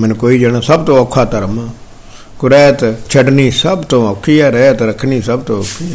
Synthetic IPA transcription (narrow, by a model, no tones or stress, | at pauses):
mɛnkoːiːd͡ʒaːɽ̃aːsəbt̪õːəkʰːaːt̪əɾəma | kʊɾɛːt̪t͡ʃʰəɖniːsəbt̪õːəkʰːijaːɾɛːt̪ɾəkʰniːsəbt̪õːəkʰːi